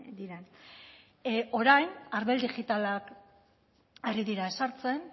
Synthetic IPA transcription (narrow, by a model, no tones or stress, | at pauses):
d̪iɾe̞n | o̞ɾajnaɾβeld̪iɣit̪alak | eriðiɾae̞saɾt͡se̞n